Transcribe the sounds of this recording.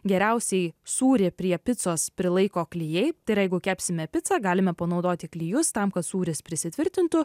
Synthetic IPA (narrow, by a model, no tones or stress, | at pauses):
ɡʲɛɾʲɛʊsʲɛɪsuːɾʲɪpʲɾʲiɛpʲɪt̪soːspʲɾʲɪlˠɐɪkoːklʲɪjɛɪt̪ɐɪɾjɛɪɡʊkʲæːpʲsʲɪmʲɛpʲɪt̪sɑːɡɑːlʲɪmʲɛpɐnɒʊd̪oːt̪ʲɪklʲijʊst̪ɑmkɐt̪suːɾʲɪspʲɾʲɪsʲɪt̪ʲʋʲɪɾʲt̪ʲɪnt̪ʊ